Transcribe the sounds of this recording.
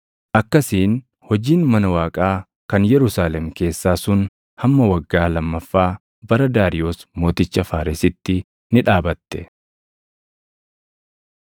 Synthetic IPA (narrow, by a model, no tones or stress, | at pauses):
ʔɐkːɐsiːn | hɔd͡ʒiːnmɐnɐwaːkʼaː | kɐnjɛɾʊsaːlɛmke̞ːsːaːsʊn | hɐmːɐwɐɡːaːlɐmːɐfːaː | bɐɾɐd̪aːɾɪjo̞ːsmo̞ːt̪ɪt͡ʃːɐfaːɾɪsɪt̪ːɪ | nɪᶑaːbɐt̪ːɛ